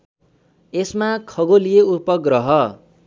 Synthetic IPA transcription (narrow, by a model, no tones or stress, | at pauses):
esmakʰʌɡolijeupʌɡrʌɦʌ